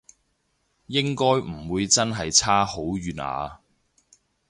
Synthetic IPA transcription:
jɪ˥ŋkɔː˥jm̩˨˩wuː˨˧jt͡sɐ˥nɦɐ˨jt͡sʰaː˥ho˨˥wɥyː˨na̰ː˨˧

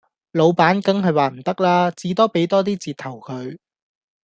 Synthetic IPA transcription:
lo˨˧wpaː˨˥nkɐ˥ŋɦɐ˨jwaː˨m̩˨˩t̪ɐ˥k̚laː˥t͡siː˨˥t̪ɔː˥pe˨˥jt̪ɔː˥t̪iː˥t͡siː˨˩t̪ʰɐ˨˩wkʰɵ˨˧ɥ

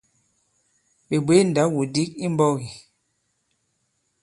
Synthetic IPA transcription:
ɓe˨bwe˦n˨da˨˦wu˨di˦ki˦m˦bɔ˦wi˨

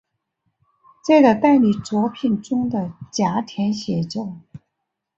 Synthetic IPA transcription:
ʈ͡ʂɤ˥˩ɡə˩t̪a˥˩ɪli˨˩t͡swɔ˧˥pʰi˨˩nʈ͡ʂʊ˥ŋd̪ə˨t͡ɕja˧˥t̪ʰjɛ˧˥nɕjɛ˧˥t͡ɕo˥˩ʊ

